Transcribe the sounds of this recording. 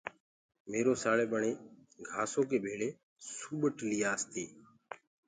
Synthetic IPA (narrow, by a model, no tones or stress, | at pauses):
meːɾoːsaːɭeːɓəɳeːɡʱaːsoːkeːbʱeːɭeː | suːɓəʈliːaːst̪ʰiː